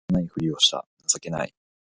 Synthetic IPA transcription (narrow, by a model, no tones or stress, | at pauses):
naɲ̟iɸɯ̟ɾʲio̞ɕi̥t̪a̰nasake̞na̰ḭ